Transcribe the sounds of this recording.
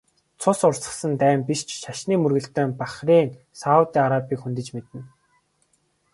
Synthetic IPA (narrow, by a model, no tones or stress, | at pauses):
t͡sʰʊsʊrsə̥̆χsə̆nt̪æːmpist͡ɕʃaʃniːmɵrɣɘ̆ɬt̪œːmpaχriːŋ | saʊt̪iːaɾapʲiːxunt̪ɘ̆t͡ɕmet̪ɘ̆n